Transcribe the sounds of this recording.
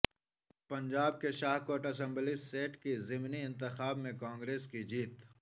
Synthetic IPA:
pɐ̃ɲd͡ʒaːb̚keʃaːɦkoːɾʈɐsə̃mbliseːʈkizɪmniɪ̃nt̪̬ɪxaːbmẽkãːŋɡɾeːskid͡ʒiːt̪

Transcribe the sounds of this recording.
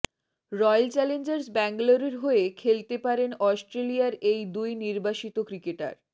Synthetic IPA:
ɾɔjlt͡ɕɛlend͡ʑeɾsbɛŋɡloɾiɾɦoekʰelt̪epaɾenɔsʈɾelijaɾejd̪ujniɾbaʃit̪okɾikeʈa̰ɾ

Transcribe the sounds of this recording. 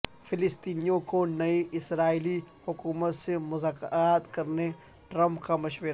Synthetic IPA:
fʰɪlɪst̪iːnijõkonɐiʔɪsɾaːilihʊkuːmət̪semʊzaːkɾaːt̪kɐɾne | ʈɾɐmpkamɐʃʋeɾ

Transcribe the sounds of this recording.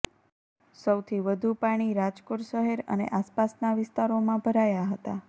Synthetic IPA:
səwt̪ʰiʋəd̪ʱupaɽ̃iɾad͡ʒkoʈʃəɦeɾə̰nḛʔaspasnaʋɪst̪aɾomãbʱəɾajaɦət̪a

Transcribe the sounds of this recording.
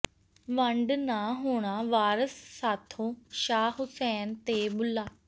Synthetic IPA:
ʋəɳɖnãːɦoːɽ̃aːʋaːɾəsːaːt̪ʰõːʃaːɦʊsɛːnt̪eːbʊlːaː

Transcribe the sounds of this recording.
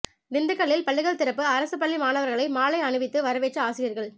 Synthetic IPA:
nɪnd̪ɯkːɐɭːɪlpɐɭːɪɣɐɭt̪ɪɾɐpːɯɐɾɐsɯpːɐɭːimaːnɐʋɐɾɣɐɭɐɪmaːlɐɪɐɳɯʋɪt̪ːɯʋɐɾɐʋeːʈrɐaːsɪjɐɾɣɐɭ

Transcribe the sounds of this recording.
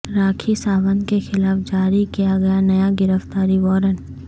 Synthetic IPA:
ɾaːkʰisaːʋənd̪kexɪlaːfd͡ʒaːɾikijaɡɐjanɐjaɡɪɾəft̪aːɾiʋɔːɾən

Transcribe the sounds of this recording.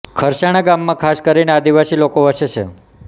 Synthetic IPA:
kʰəɾʃaɽ̃aɡamːãkʰaskəɾinead̪iʋasilokoɦəʃet͡ʃʰḛ

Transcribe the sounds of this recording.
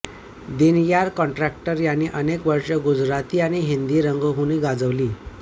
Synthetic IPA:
d̪enjaɾkɔ̃ɳʈɾæk̚ʈəɾjanːiːʔənekʋəɾɕəɡud͡zɾat̪iːañiɦind̪iːɾəŋɡəɦuñiːɡad͡zəʋliː

